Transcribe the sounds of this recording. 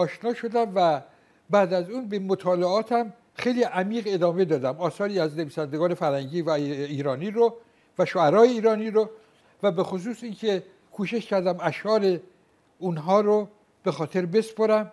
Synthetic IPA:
ɒːʃnɒːʃo̞d̪æmvæ | bæːd̪æzuːnbemot̪ʰɒːleɒːt̪ʰæm | xe̞jliːʔæmiːɣe̞d̪ɒːme̞d̪ɒːd̪æmɒːsɒːɾiːæzneviːsænd̪eɡɒːne̞fæɾhæŋɟiːvæiːɾɒːniːɾo | væʃoæɾɒːjeiːɾɒːniːɾo | væbe̞xos̬uːsincʰe̞ | kʰuːʃe̞ʃcʰæɾd̪æmæʃɒːɾe̞ | unɦɒːɾo | b̥e̞xɒːt̪ʰe̞ɾbe̞spoɾæm

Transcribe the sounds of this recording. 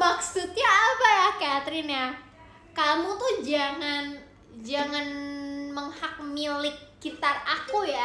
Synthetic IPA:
maksut̪̚ɲaːbajakat̪ɾɪnja | kamut̪uhd͡ʒaŋan | d͡ʒaŋanməŋhak̚milɪk̚ɡit̪arakuja

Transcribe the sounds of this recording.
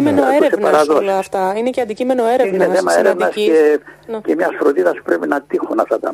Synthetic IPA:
imenoeɾesenpɐɾɐðosloɐft̪ɐine̞ceɐnd̪icime̞no̞e̞ɾeinnesθemɐeɾevnɐscencemɲɐsfɾot̪iðɐspu̥pɾepinɐt̪ixunɐft̪ɐt̪ɐ

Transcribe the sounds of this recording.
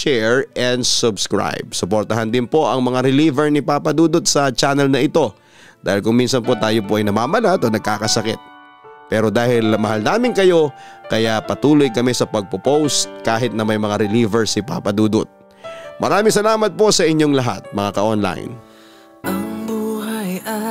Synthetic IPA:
t͡ʃɛɹɛnd̪sʊbskɹa̰jb̚sʊpoɾt̪ɐɦɐnd̪ɪnpo̞ʔɐŋmɐŋaɾɪliːvɛɹnɪpaːpɐd̪uːd̪ot̪̚sɐt͡ʃaːnɛlnɐʔɪt̪o̞ | d̪a̰ːhɪlkʊŋminsɐnpo̞t̪aːjo̞poʔɐjnɐmaːmɐlat̪onɐɡ̚kaːkɐsɐkɪ̰t̪̚ | pɛːɾo̞d̪aːhɪlmɐhalnaːmɪŋkɐjo̞kɐjapɐt̪uːlo̞jkɐmɛsɐpɐɡ̚popowst̪̚kaːɦɪt̪̚nɐmɐjmɐŋaɾɪliːvɛɹsɪpa̰ːpɐd̪uːd̪ʊ̰t̪̚ | mɐɾaːmɪŋsɐlaːmɐt̪̚po̞sɐʔɪɲːo̞ŋlɐɦa̰t̪̚mɐŋakɐʔonla̰jn | ʔɐŋbuhaj

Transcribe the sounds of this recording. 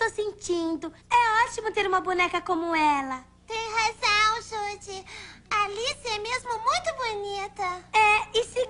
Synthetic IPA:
osẽnt͡ʃĩnd̪ʊɛɔt͡ʃimʊt̪eɾũmɐbonɛkɐkõmʊɛlɐ | t̪ẽj̃hazɐ̃w̃ʒud͡ʒɪalisiɛmezmʊmũj̃t̪ʊbonit̪ɐɛɪsi

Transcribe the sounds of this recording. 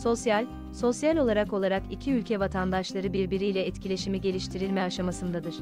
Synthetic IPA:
so̞sjalʲ | so̞sjalʲo̞lˠaɾako̞lˠaɾakicʰiylʲcʰɛvat̪ʰand̪aʃlˠaɾɯbiɾbiɾijlʲɛɛt̪cʰilʲe̞ʃimiɟe̞lʲiʃt̪ʰiɾilʲmɛaʃamasɯnd̪ad̪ɯɾ̥

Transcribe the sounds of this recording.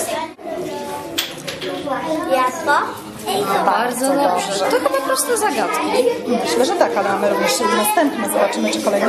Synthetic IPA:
jasɔ | baɾd̪zɔd̪ɔʐɛɛɡɔpɔpɾɔst̪uzaɡat̪kʲimɘɕlɛʐɛt̪akalɛmamɘɾuvɲɛʂsɛnast̪ɛmpnɛzɔbat͡ʂɘmɘt͡ʂɛkɔlɛjn

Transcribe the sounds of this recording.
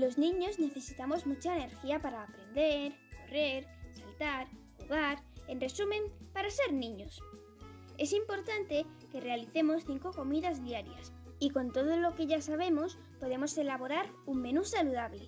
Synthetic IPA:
lo̞znĩɲo̞zne̞θe̞sit̪amo̞zmut͡ʃaene̞ɾxiapaɾaːpɾe̞nd̪e̞ɾ | ko̞re̞ɾsalt̪aɾxuɣaɾe̞nre̞sumẽ̞mpaɾase̞ɾnĩɲo̞s | e̞simpo̞ɾt̪ant̪e̞ | ke̞re̞aliθe̞mo̞sθiŋko̞ko̞miðazðiaɾjas | iko̞nt̪o̞ð̞olo̞ke̞ʝasaβ̞e̞mo̞s | po̞ðe̞mo̞se̞laβo̞ɾaɾ | uŋme̞nusaluðaβle̞

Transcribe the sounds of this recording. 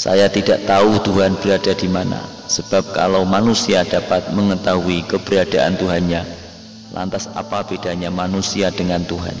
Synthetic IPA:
sa̰jat̪idaʔt̪aut̪uɦanb̥əɾadadimana̰ | səb̥ap̚ka̰lawmanusiadapat̪̚məŋət̪aɦuikəb̥əɾiad̥aʔa̰nt̪uɦanɲa | lʔa̰nt̪asa̰paped̥aɲamanusiadəŋant̪uɦa̰n

